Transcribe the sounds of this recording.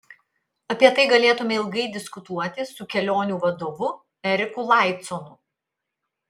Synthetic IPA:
ɐpʲiɛt̪ɐɪɡɐlʲeːt̪ʊmʲɛɪlˠɡɐɪd̪ʲɪskʊt̪uɔt̪ʲɪsʊkʲɛlʲoːnʲuːʋɐd̪oːʋʊ | ɛɾʲɪkʊlˠɑˑɪt̪sɔnʊ

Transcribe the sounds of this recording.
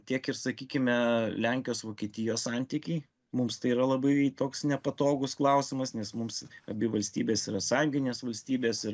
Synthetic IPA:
t̪ʲiɛkɪɾsɐkʲiːkʲɪmʲɛlʲæŋʲkʲɪjoːsʋoːkʲiɛt̪ʲiːjoːssɐnʲt̪ʲikʲɛɪ | mʊmst̪ɐɪiɾɐlˠɐbɐɪt̪oːksnʲɛpɐt̪oːɡʊsklˠɐʊsʲɪmɐsnʲɛsmʊmsɐbʲɪʋɐlʲsʲt̪ʲiːbʲeːsiɾɐsɐŋʲɡʲɪnʲeːsʋɐlʲsʲt̪ʲiːbʲeːsɪɾ

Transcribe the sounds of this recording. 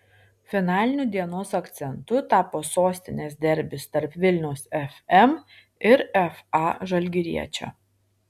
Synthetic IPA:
fʲɪnɑːlʲɪnʲuːd̪ʲiɛnoːsɐkt̪sʲɛnt̪ʊt̪ɑːpoːsoːsʲt̪ʲɪnʲeːs̬d̪ʲɛɾʲbʲɪst̪ɐɾpʋʲɪlʲnʲɛʊsɛfʲɛm | ɪɾɛfɑːʒɐlʲɡʲɪɾʲiɛt͡ʃʲo̰ː

